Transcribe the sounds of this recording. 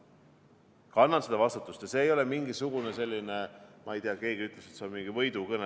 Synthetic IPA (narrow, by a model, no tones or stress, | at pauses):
kɑnːɑnsed̪̥ɑvɑst̪ut̪ːˑust̪ɑseːjo̞lɛmiŋɡisuɡ̥unese̞lʲːinemɑejt̪iɑke̞ːɡiyt̪ˑleset̪seonmiŋɡ̥ivɤjd̪ukɤne